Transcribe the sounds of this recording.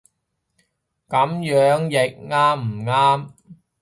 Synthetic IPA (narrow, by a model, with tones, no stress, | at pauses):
kɐ˨˥mjœː˨˥ŋjɪ˨k̚ŋaː˥mm̩˨˩ŋaː˥m